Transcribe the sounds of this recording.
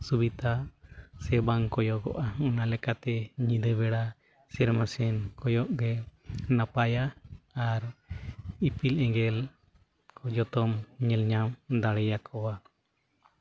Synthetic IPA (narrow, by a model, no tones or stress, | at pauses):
subit̪asɛbaŋkɔjɔʔɡɔ̰ʔaɔnalɛkat̪ɛɲĩd̪əβɛɽa | sɛɾmasɛnkɔjɔʔɡɛnapajaaɾ | ipilɛ̃ŋɡɛl | kɔd͡ʒɔt̪ɔmɲɛlɲamd̪aɽɛjakɔwa